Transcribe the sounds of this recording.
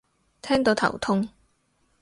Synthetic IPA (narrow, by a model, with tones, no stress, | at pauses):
t̪ʰɛː˥ŋt̪o˨˧wt̪ʰɐ̰˨˩wt̪ʰʊ˥ŋ